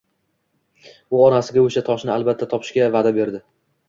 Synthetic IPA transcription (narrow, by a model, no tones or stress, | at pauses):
ʊɒnasɪɡʲaoʃat̪ʰɒʃnɪalbat̪ʰːat̪ʰɒpʰɪ̥ʃkʲavad̪abe̞ɾd̪ɪ